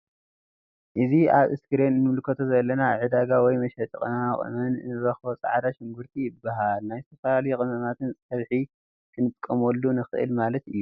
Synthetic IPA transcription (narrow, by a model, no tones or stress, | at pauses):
ʔɨzia̰βɨskɨɾenɨnɨmlɨkʰɐt̪ʰo̞zɐlːɐnaʕɨd̪aɡawɔjmɐʃɐt̪ʼɨkʼɨnɐmaχʼɨ̰mɐnnɨɾɐxbot͡sʼa̰ʕd̪aʃɪŋɡuɾt̪ʰijɪbːaɦalnajzt̪ʰɐfɐlalɐjukʼɨnɐmat̪ʰɨnsʼɐβħi | kʰɨnɨt̪ʼkʼːɐmolːunɨxɨ̰ʔɨ̰lmalɐt̪ɨjːu